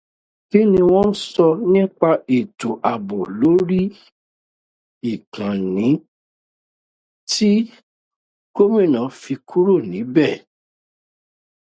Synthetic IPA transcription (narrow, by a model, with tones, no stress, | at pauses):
ki˦nĩ˧w̃ɔ̃˦n̩˦sɔ˧nĩ˦k͡pa˧e˨to˨ʔa˨bɔ˨lo˨˦ɾi˦ | i˦˨kã˨nĩ˨˦ | ti˦ | ko˦mĩ˦˨nã˨fi˧kʰu˦ɾo˦˨nĩ˨˦bɛ˦˨